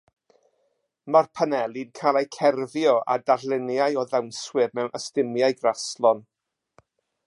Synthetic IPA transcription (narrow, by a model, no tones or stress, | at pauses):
marpʰanɛlˠidkʰalˠejkʰɛrvjɔʔa̰daɾlˠɪnjajɔðɛwnswɨrmɛwnʔəstɪmjajɡraslˠɔn